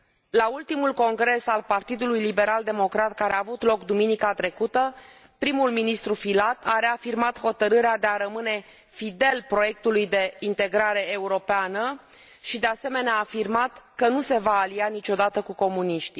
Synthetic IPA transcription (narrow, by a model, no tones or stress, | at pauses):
lault̪imulko̞ŋɡɾe̞salpart̪id̪ulujlibe̞ɾald̪e̞mo̞kɾat̪̚kaɾeaːvut̪lo̞kd̪uminikat̪ɾe̞kut̪ə | pɾimulminist̪ɾufilat̪ʰaɾe̞afirmat̪ho̞t̪əɾɨɾead̪e̞aɾəmɨne̞ | fid̪e̞lpɾo̞je̞k̚t̪ulujd̪e̞int̪e̞ɡɾaɾe̞ːuɾo̞peanə | ʃid̪e̞ase̞me̞neaːfirmat̪kənuse̞vaːlianit͡ʃo̞d̪at̪əkuko̞muniʃt̪i